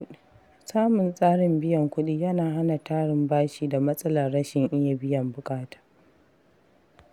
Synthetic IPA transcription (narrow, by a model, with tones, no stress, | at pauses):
saː˦mʊ˨nsʼaː˦ɽɪ˨mbɪ˦jɐ˨ŋkʷʊ˦ɗiː˦jɐ˦naː˨ɦa˦na˨taː˦ɽɪ˨mbaː˦ʃiː˨da˨mɐ˦sʼɐ˦la˨ɽɐ˦ʃɪ˨ŋʔɪ˦ja˨bɪ˦jɐ˨mbʊ˨kʼaː˦tḁː˦